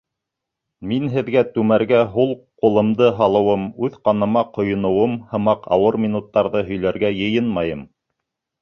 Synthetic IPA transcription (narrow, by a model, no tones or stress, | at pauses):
minɦɘ̆ðɡæt̪ʉmæɾɡæɦulˠqŏlˠɤ̆md̪ɤɦɑlˠɤ̆wɤmʉðqɑnɤ̆mɑqŏjŏnɤ̆wɤmhɤ̆mɑqɑ̰wɤɾmʲinut̪ːɑɾðɤɦɵ̆jlæɾɡæjɤ̆jɤnmɑjɤm